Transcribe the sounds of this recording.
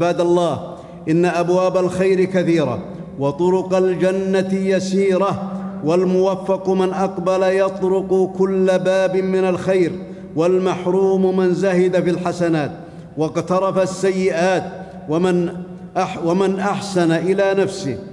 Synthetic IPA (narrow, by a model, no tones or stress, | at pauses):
baːd̪lˤːɑːh | ʔɪnːaʔabwaːbalxajɾɪkaθiːɾa̰ | wɑt̪ˤʊɾʊqald͡ʒanːat̪jasiːɾawalmʊwafːɑqmɪnʔɑqbalajɑt̪ˤɾʊqkʊlːabaːbɪmɪnalxajɾ | walmaħɾuːmmanzahɪd̪afilħasanaːt̪ | wɑqt̪ɑɾˤɑfasːajːɪʔaːt̪ | man | ʔawamanʔaħsanaʔɪlanafsɪ̰